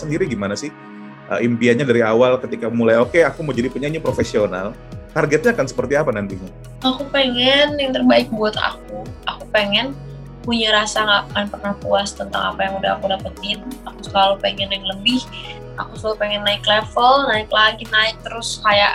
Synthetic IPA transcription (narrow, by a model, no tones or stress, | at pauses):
səndiɾiɡimanasɪh | ʔə̰ʔimpiaɲadaɾiawalkət̪ikamulajokeakumad͡ʒadipuɲaɲapɾofesiona̰l | karɡɛt̪̚ɲaːkansə̥pərt̪iapanant̪iɲa | akupeŋɛnjaŋt̪ərbaɪk̚buat̪a̰k̚uʔakupeŋɛn | puɲaɾasaŋɡaʔkanpərnahpuast̪ənt̪a̰ŋa̰pajaŋudahakudapət̪ɪnakusəlalupeŋɛnjaŋləbɪh | ʔa̰kusəkalupeŋɛnːaɪklɛfəlnaɪklaɡinaɪk̚t̪əɾʊskajaʔ